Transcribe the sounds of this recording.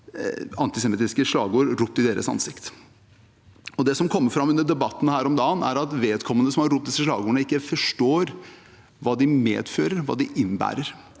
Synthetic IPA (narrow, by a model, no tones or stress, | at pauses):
ɑnt̪ɪsɛmɪt̪ɪskəʂlɑ̰ːɡuːɾɾʊp̚ːd̪ɪd̪eːɾə̰sɑ̰nsɪkt̪ | ɔd̪ɛsɔmkʰɔmːəfɾɑmːʉnːəɖɛbɑt̪ːn̩hæːɾɔmd̪ɑːnæ̰ɾɑt̪ʋeːd̪kʰɔmːənəsɔmhɑɾʊt̪̚ːd̪ɪsːəʂlɑ̰ːɡuːɳəɪkːəfɔʂʈoːɾ | ʋɑːd̪ɪmḛːd̪føːɾəɾʋɑ̰ːd̪ɪʔɪnbæ̰ːɾəɾ